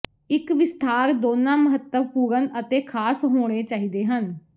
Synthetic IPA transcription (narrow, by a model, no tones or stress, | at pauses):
ɪkʋɪst̪ʰaːɾd̪oːnãːməɦət̪ːəʋpuːɾənət̪eːkʰaːsɦoːɽ̃eːt͡ʃaːiːd̪eːɦən